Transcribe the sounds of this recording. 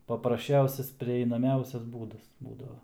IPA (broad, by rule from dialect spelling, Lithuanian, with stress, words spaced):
pɐprɐsʲˈt͡ʃʲɛʊsʲɛs pʲrʲiɛɪnɐˈmʲɛʊsʲɛs ˈbuːdɐs ˈbuːdɐʋɐ